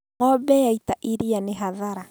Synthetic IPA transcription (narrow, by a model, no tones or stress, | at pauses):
ɔbɛjaitaʔiɾianeɦaðaɾa